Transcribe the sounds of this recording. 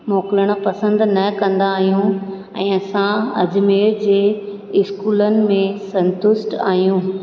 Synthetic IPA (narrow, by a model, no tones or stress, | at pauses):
moːkɪləɽ̃̆pɐsə̃nd̪nɐkɐ̃nd̪aːɦijũ | ɛ̃ːɐsãɐd͡ʑmeːɾd͡ʑeː | ɪskuːlənɪ̆mẽsɐ̃nt̪ʊsʈa̰ːɦijũː